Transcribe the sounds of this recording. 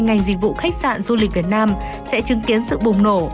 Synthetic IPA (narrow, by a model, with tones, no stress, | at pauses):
jŋa˨˩jŋ̟zï˨˧˩k̚vṵ˧˨xa˦˥k̟̚sa̰ː˧˨nzu˧li̟˨˩vi˨˩ət̚naː˧m | sɛ̰˧˥t͡ɕɨ˨˦ŋki˨˦ənsɨ̰˧˨ɓʊ˨˩ŋ͡mno˧˩